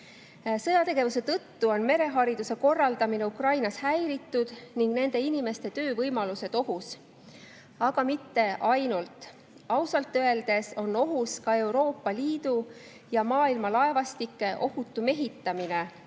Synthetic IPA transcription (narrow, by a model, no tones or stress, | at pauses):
sɤjɑt̪e̞ɡ̥e̞vuse̞t̪ɤt̪ːuo̞nme̞ɾe̞ɦɑɾid̪̥use̞ko̞rːɑld̪ɑmine̞ukrɑjnɑshæjɾit̪ːˑud̪̥niŋɡ̥ne̞nd̪̥e̞inime̞st̪e̞t̪ø̞ːvɤjmɑluse̞d̪̥o̞ɦus | ɑɡ̥ɑmit̪ːe̞ʔɑjnult̪ˑ | ɑwsɑlt̪ːˑøe̞ld̪̥e̞so̞nːo̞ɦuskɑe̞wɾo̞ːpːˑɑliːd̪̥u | jɑmɑːilmɑlɑe̞vɑst̪ikːˑe̞ʔo̞hut̪ːˑume̞ɦit̪ːˑɑmine̞